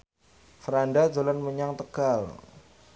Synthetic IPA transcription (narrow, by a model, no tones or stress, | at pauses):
fəɾandḁd͡ʒolanməɲaŋt̪əɡ̥al